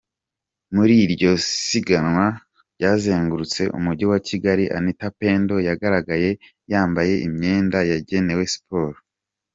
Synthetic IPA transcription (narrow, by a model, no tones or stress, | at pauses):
muɾiɾɟo̞siɡanŋwa | ɾɟaːzeːŋɡuɾut͡se̞ʔṵmuɾɟiwacʰiɡaɾiʔa̰nitape̞ːndo̞jaɡaɾaɡaje̞ | jaːmbaje̞ʔimɲe̞ːndajaɟe̞ne̞we̞si̥poːɾo